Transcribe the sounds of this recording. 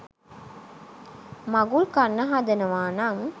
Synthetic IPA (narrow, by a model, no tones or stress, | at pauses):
maɡulkanːəɦad̪ɐnəʋaːnaŋ